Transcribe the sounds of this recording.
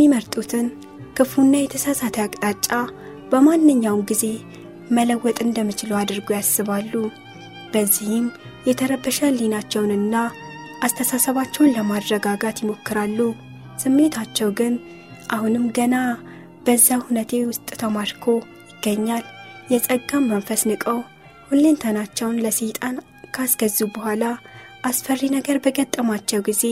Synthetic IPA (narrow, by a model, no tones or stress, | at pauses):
jɛmːiməɾt̪ʼut̪ʰɨn | kʰɨfunːajɛt̪ʰəsasat̪ʰəjakʼt̪ʼat͡ʃʼːa | bəmanːɨɲːawmɡize̞ | mələwːɔt̪ʼɨnd̪əmːɨt͡ʃɪləwad̪ɨɾɡojasːɨβalːu | b̥əzːihɪm | jɛt̪ʰəɾəbəʃəlinat͡ʃːɛwnɨnːa | ʔast̪ʰəsasəβat͡ʃːɛwnləmad̪ɾəɡaɡat̪jɪmo̞kːɨɾalːu | sɨmːet̪ʰat͡ʃːɛwɡɨn | ʔahunɨmɡəna | b̥əzːahunət̪ʰe̞wʊst̪ʼt̪ʰəmaɾkʰo̞ | jɪɡːəɲːaljɛsʼəɡːamːəɱfəsnɨkʼəw | hulːent̪ʰənat͡ʃːɛwnləsɨjt̪ʼan | kʰasɡ̥əzːubəhʷala | ʔasfərːinəɡəɾbəɡət̪ʼːəmat͡ʃːɛwɡize̞